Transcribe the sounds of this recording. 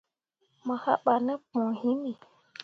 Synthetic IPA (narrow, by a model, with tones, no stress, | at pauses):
mə˨xa̰˦ɓa˨nə˦pũ˨hi˦mi˨